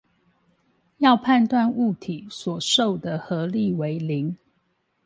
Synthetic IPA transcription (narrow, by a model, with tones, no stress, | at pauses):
jɑ˥˧ʊpʰa˥˧nt̪wa˥˧nu˥˩t̪ʰi˨˩swɔ˨˩ʂo˥˨˩ʊd̪ə˨xɤ˨˧˦li˥˨we˧˦ɪli˨˦ŋ